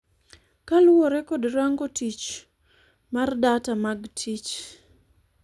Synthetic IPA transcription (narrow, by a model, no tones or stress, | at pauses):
kalwɔɾɛkɔdɾaŋɡotit͡ʃ | mardatamaɡtʰit͡ʃ